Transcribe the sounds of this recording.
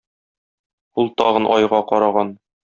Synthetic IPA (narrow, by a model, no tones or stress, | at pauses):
ulˠt̪ɒʁɤnʔɒjʁɑqɒɾɑʁɑn